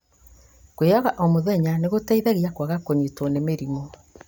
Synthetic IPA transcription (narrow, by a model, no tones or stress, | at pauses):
kweɔɣaʔɔmoðɛɲaneɣotaiðaɣiakwaɣakoɲetɔnemeɾimo